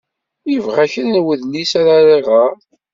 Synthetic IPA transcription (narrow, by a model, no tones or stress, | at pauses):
jəvʁæçənnwəðnisaɾaɾˤeʁə